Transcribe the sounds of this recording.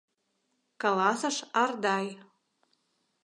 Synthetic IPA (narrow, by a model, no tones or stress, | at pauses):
kɑlɑsɤ̆ʃɑrd̪ɑj